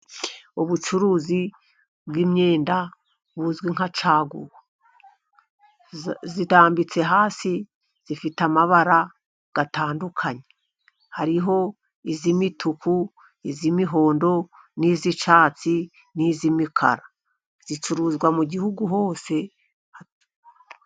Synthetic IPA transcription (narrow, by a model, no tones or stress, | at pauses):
uβut͡ʃuɾuːzi | bɡiːmɲeːnda | βuzɡwiŋ̥at͡ʃaːɡṵwo | zitaːmbit͡se̞ɦaːsi | z̥ifitamaβaɾa | ɡ̥ataːndukʰaɲe | haɾiɦo̞ | izimitukʰu | izimiɦo̞ːndo̞ | nizit͡ʃaːt͡si | nizimikʰa̰ɾa | z̥it͡ʃuɾuzɡwamuɟihuɡuɦo̞ːse̞ | ha